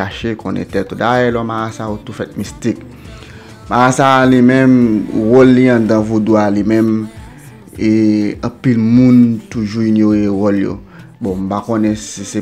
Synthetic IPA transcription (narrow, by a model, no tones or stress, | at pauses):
aʃekʰɔ̃nɛ̰̃tɛtudajɛlɔmaasaotufɛt̪̚mistik̚ | maasalimɛ̃mɣɔlːiãdãvodoalimɛ̃m | eɐ̃pilmũntuʒuinjoewɔljo̰ | bɔ̃m̩pakɔ̃nɛ̃sise